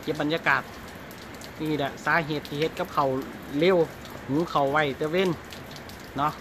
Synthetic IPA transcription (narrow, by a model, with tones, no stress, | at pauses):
ke˧˩p̚ba˨njaː˧kaː˨˩t̪̚ | ʔiː˧˩da˧˩saː˨˦ɦe˧˩t̪ʰːiː˧he˧t̪̚ka˧p̚kʰa˨˩w | le˧˥˨w | huː˨˧˦kʰa˨˩wwa˧˩jt̪ɛ˧we˧˥˨n | nɔ˧˥ʔ